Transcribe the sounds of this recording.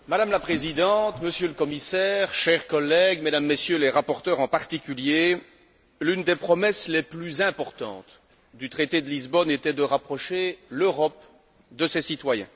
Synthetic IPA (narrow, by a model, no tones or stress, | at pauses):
mad̪amlapχezid̪ɑ̃t̪məsjøləkɔmisɛːʁʃɛʁkɔlːɛɡmed̪amːesjøleʁapɔʁt̪œʁɑ̃paʁt̪ikʲylje | lynd̪epχɔmɛsleplyzɛ̃pɔʁt̪ɑ̰̃t̪ | d̪yt̪χet̪ed̪əlizbɔnet̪ɛd̪əʁapχɔʃeløʁɔp | d̪əsesit̪wajɛ̰̃